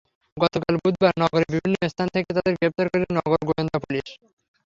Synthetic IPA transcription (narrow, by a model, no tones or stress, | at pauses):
ɡɔt̪okalbud̪̚ʱbaɾnɔɡoɾebibʱinːoest̪ʰant̪ʰeket̪ad̪eɾɡɾep̚t̪aɾkoɾinɔɡoɾɡoend̪apuliʃ